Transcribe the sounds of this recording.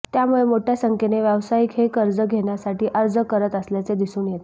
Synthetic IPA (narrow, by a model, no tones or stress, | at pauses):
t̪jamuɭemoʈʰjasəŋkʰeneʋjəʋsajikɦekəɾd͡zəɡʱeɳjasaʈiːʔəɾd͡zəkəɾət̪əsljat͡sed̪isuːnjet̪